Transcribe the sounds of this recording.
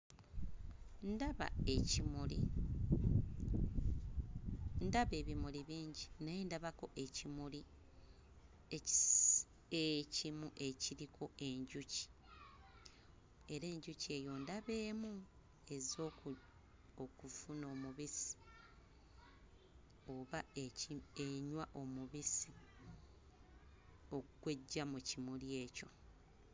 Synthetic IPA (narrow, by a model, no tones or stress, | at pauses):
ndaβa̰ | lḭ | ndaβe̞ːβimuliβiːɲɟinaje̞ndaβako̞ʔe̞cimuli | ecimuʔe̞ciɾikʰo̞e̞ɲɟuci̥ | e̞ɾe̞ːɲɟucie̞jo̞ndaβe̞ːmu | e̞zo | okufuno̞ːmuβisi̥ | o̞βa | eɲwaʔo̞muβisi | okwe̞ɟːamucimulje̞ːco̞